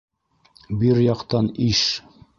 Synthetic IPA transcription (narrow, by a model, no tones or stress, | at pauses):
biɾjɑqt̪ɑniʃ